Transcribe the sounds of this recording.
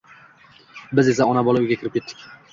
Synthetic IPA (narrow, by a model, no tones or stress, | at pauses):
bɪze̞saɒnabɒlaʊjɡʲakʰʲɪɾɪpkʲʰet̪ʰːɪ̥kʲ